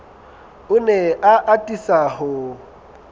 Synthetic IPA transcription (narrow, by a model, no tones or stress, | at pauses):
ʊneʔaʔatʼisahʊ